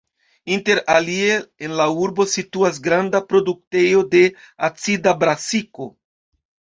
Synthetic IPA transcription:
inte̞ɾalieenlauɾbo̞situas̬ɡɾandapɾo̞duk̚te̞jo̞de̞ | at͡sidabɾasiko̞̰

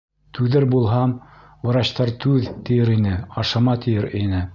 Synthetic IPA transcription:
t̪ʉðɘɾbulˠɦɑm | wɤ̆ɾɑɕt̪ɑɾt̪ʉðt̪ĭjɘɾinɘɑʃɑmɑt̪ĭjɘɾinɘ

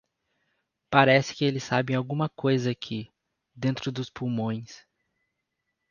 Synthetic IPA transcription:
paɾɛsɪ̥kɪelɪsabẽj̃awɡũmɐkojzɐakʰɪ | d̪ẽnt̪ɾʊd̪ʊspuwmõj̃s

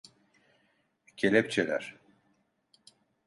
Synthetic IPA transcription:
cʰelʲɛp̚t͡ʃʰelʲæ̰ɾ̥

